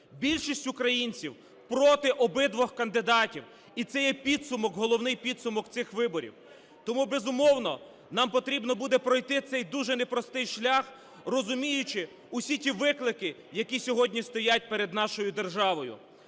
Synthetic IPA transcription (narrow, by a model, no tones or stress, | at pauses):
bʲilʲʃisʲtʲʊkɾɐjinʲt͡sʲiw | pɾɔt̪ɪʔɔbɪd̪ʋɔxkɐnd̪ɪd̪ɑtʲiw | it̪sɛjɛpʲid̪sʊmɔɡɦɔlˠɔwnɪjpʲid̪sʊmɔkt̪sɪxʋɪbɔɾʲḭw | t̪ɔmubezʊmɔwnɔ | nɑmpɔt̪ɾʲibnɔbud̪ɛpɾɔjt̪ɪt̪sɛjd̪uʒɛnepɾɔst̪ɪjʃlʲax | rɔzʊmʲijʊt͡ʃɪ | ʊsʲitʲiʋɪklˠɪkɪ | jɐkʲisʲɔɦɔdʲnʲist̪ɔjat̚ʲpeɾed̪nɑʃɔjʊd̪erʒɑʋɔjʊ̰